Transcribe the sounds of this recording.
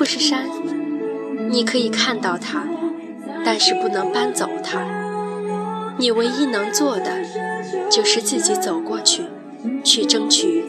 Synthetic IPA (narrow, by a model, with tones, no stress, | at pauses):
pu˥˧ʂɻ̩˥˩ʂa˥n | ni˨˩kʰɤ˧˥i˨˩kʰa˥˧nt̪ɑ˥˩ʊt̪ʰa˥ | t̪a˥˧nʂɻ̩˥˧pu˥˩nɤ˧˥ŋpa˥nt͡so˨˩ʊt̪ʰa˥ | ni˨˩we˧˥ɪi˥˩nɤ˧˥ŋt͡swɔ˥˩d̪ə˩t͡ɕjo˥˧˩ʊʂɻ̩˥˧t͡s̩˥˩t͡ɕi˧˥t͡so˨˩ʊkwɔ˥˧t͡ɕʰy˥˩ | t͡ɕʰy˥˩ʈ͡ʂɤ˥ŋt͡ɕʰy˥˩